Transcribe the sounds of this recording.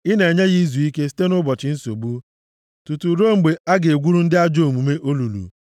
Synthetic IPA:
ɪ˦ne˨ɲa˦ɣi˦zu˨i˦ke˦ste˦nʊ˦bɔ˨t͡ʃɪ˨n̩˦so˨bu˦ | tu˨tu˨ɾo˦ŋ͡m̩˨ɡ͡be˨a˦ɡe˨ɡʷu˦ɾu˦n̩˦dɪ˦a˦d͡ʒoo˨mu˨me˦ʔo˦lu˨lṵ˨

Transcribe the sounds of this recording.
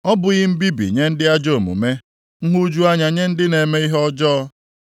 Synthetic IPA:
ɔ˦bʊ˨ɣɪ˦m̩˦bi˦bḭ˨ɲe˦n̩˦dɪ˦a˦d͡ʒo˦˨mṵ˨me˦ | ŋ̩˦ɦu˦d͡ʒu˦a˦ɲa˨ɲe˦n̩˦dɪ˦ne˨me˦i˦ɦɔ˦d͡ʒɔ˦

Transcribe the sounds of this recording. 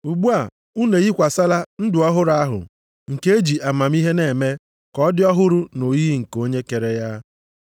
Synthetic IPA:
u˨ɡ͡bu˦a˨ | u˦ne˨ɣi˦kʷa˨sa˦la˦n̩˦dʊ˨ɔ˦ɦʊ˦ɾa˦ɦʊ̰˨ | ŋ̩˨ke˦e˦d͡ʒi˨ʔa˨ma˨m˦i˦ɦe˦ne˨me˦ | kɔ˦dɪ˦ɔ˦ɦʊ˦ɾʊ˦no˨ji˦ŋ̩˨ko˦ɲe˦ke˨ɾe˦ja˦

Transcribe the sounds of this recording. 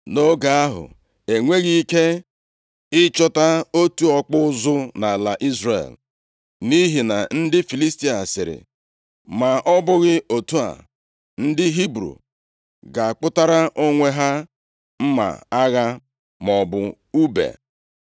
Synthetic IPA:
no˦ɡa˨a˦ɦʊ̰˨ | e˨ŋʷe˦ɣi˦i˦ke˦ | ɪ˦t͡ʃɔ˦ta˦o˦tu˦ɔ˦k͡pʊ˦zʊ˦na˨la˨ʔi˦zrḛ˨l | ni˦ɦi˨na̰˨n̩˦dɪ˦fi˨li˦sti˦a˨sɪ˨ɾɪ̰˨ | ma˨ʔɔ˦bʊ˦ɣɪ˦o˨tu˦a̰˨ | n̩˦dɪ˦ɦi˦bɾṵ˨ | ɡa˨k͡pʊ˦ta˦ɾa˦ʔo˦ŋʷe˦ɦa˦ | m̩˦ma̰˨a˦ɣa˦ | mɔ˨bʊ˨ | u˦bḛ˨

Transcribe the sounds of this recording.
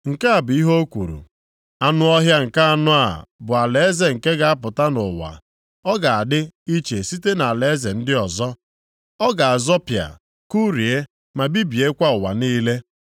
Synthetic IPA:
ŋ̩˨ka˦a˨bʊ˨i˦ɦo˦o˦kʷṵ˨ɾṵ˨ | a˦nʊ˦ɔ˦ɦja˦ŋ̩˨ka˦a˦nʊ˦a̰˨bʊ˨a˨le˨e˦ze˨ŋ̩˨ke˦ɡa˨a˦pʊ˨ta˦nʊ˨wa̰˨ | ɔ˦ɡa˨a˨dɪ˦i˦t͡ʃe˨si˦te˦na˨a˨le˨˦ze˨n̩˦dɪ˦ɔ˨zɔ˦ | ɔ˦ɡa˨a˨zɔ˦pja̰˨ | ku˦ɾi˨e˦ | ma˨bi˦bi˨e˦kʷa˦ʊ˨wa̰˨niː˦le˦

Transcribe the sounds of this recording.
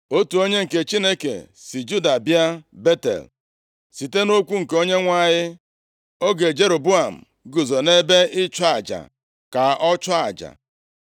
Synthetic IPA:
o˦tu˨o˦ɲe˦ŋ̩˨ke˨t͡ʃi˦ne˦kḛ˨si˨d͡ʒu˦da˨bja˦be˦tḛ˨l | si˨te˦no˦kʷu˦ŋ̩˨ke˨o˦ɲe˦ŋʷa˦˨ɲɪ˦ | o˦ɡe˨d͡ʒe˦ɾo˨bu˦a˨m̩˨ | ɡu˨zo˨ne˦be˦ɪ˦t͡ʃʊ˦a˨d͡ʒa̰˨ | ka˨ʔɔ˦t͡ʃɔ˦a˨d͡ʒa̰˨

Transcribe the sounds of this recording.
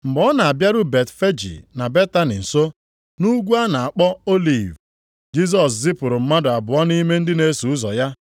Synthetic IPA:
m̩˨bɔ˦na˨a˨bja˦ɾʊ˦be˨tfe˦d͡ʒḭ˨na˨be˦ta˦nḭ˨n̩˨so˦ | nu˦ɡʷu˦a˦na˨a˨k͡pɔ˦o˦li˨v | d͡ʒi˦s̬ɔ˨s̬zɪ˦pʊ˨ɾʊ˨m̩˦ma˦dʊ˨a˨bʊ˨ɔ˦ni˦me˦n̩˦dɪ˦ne˦su˨ʊ˦zɔ̰˨ja˦

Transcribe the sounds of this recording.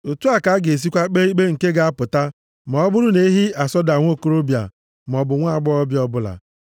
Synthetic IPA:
o˨tu˦a˨ka˨˦ɡe˨s̬i˦kʷa˦k͡pe˦i˦k͡pe˦ŋ̩˨ke˦ɡa˨˦a˦pʊ˨ta˦ | mɔ˨ɔ˦bʊ˦ɾʊ˦ne˦i˦ɦi˦a˨sɔ˦da˨ŋʷ˦o˦ko˦ɾo˦bja̰˨ | m˨ɔ˨bʊ˨ŋʷa˦˨ɡ͡bɔ˦ɔ˦bjɔ˦bʊ˦la̰˨

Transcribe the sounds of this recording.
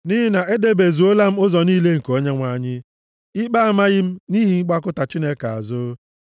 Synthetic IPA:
nɪ˦ɦɪ˦na˨ʔe˦de˦be˨zu˨o˦la˦m̩˦ʊ˦zɔ˨niː˦le˦ŋ̩˨ko˦ɲe˦ŋʷa˨ɲɪ˦ | ɪ˦k͡pa˦a˨ma˦ɣɪ˦m̩˦ni˦ɦi˨ŋ̩˦ɡ͡ba˦kʊ˦ta˨t͡ʃi˦ne˦ka˨a̰˨zʊ˦

